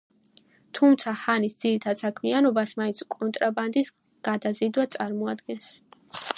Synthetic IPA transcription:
t̪ʰumt̪sʰaχanisd̪z̥iɾit̪ʰad̪sakʰmianɔbasmaĩntsʰkʼɔnt̪ʼɾaband̪is | ɡ̥ad̪azid̪wat̪sʼaɾmɔad̪ɡɛns

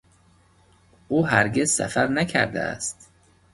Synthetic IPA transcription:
ʔuːɦæɾɡezsæ̰fæɾnæcʰæ̰ɾd̪æ̰æ̰st̪

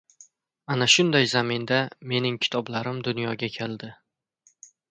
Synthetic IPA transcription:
anaʃʊnd̪ajzamɪnd̪ame̞nɪŋkʲʰɪ̥t̪ʰɒblaɾɪmd̪ʊnjɒɡʲakʲʰeld̪ɪ

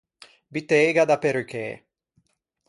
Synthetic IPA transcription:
bit̪eːɡad̪apeɾukḛ

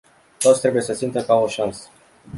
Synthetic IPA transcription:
t̪o̞t̪sʲt̪ɾe̞buje̞səsimt̪əkaoʃansə̥

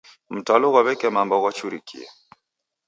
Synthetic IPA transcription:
m̩tɔlɔɣɔβɛkɛmambɔɣɔt͡ʃuɾikʰḭɛ̰

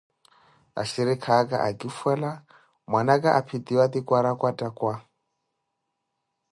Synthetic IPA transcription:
a̰ʃiɾikʰakʼa̰ʔakʼifwɛla | mwanakʼaʔapʰit̪iwat̪ikʼwaɾakʼwatʼakwa

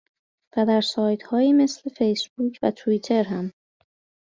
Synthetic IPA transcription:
væd̪æɾsɒːjt̪hɒːjiːme̞sle̞fe̞jsbuːcʰvæ̰t̪ʰuiːt̪ʰe̞ɾɦæm

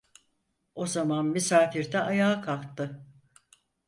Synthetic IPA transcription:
o̞zamanmysaːfiɾd̪ɛʔajaːkʰalˠt̪ːɯ

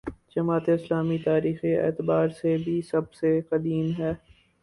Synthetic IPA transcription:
d͡ʒɐmaːt̪eɪslaːmit̪aːɾiːxeɛ̰ːt̪baːɾsebʱisɐbseqɐd̪iːmɦɛː

